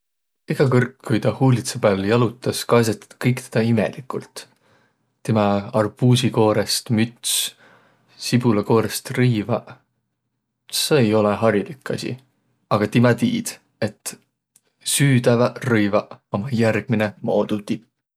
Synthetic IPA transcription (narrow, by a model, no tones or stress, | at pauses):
iɡ̥ɑkɤrkːujt̪ɑhuːlit̪seb̥æljɑlut̪ːˑɑskɑːs̬ɑt̪ɑ̥d̪̥kɤjkt̪ed̪̥ɑimḛlikˑult̪ | t̪ːemɑɑrb̥uːsiko̞ːɾest̪myt̪s | sib̥ulɑko̞ːɾest̪rɯjvɑ | seejo̞leɦɑɾilikːɑ̰sḭ | ɑɡ̥ɑt̪imɑt̪iːd̪̥ | e̞t̪ː | syːd̪ævɑrɯjvɑomɑjærɡ̥̚minemo̞ːd̪̥ut̪ip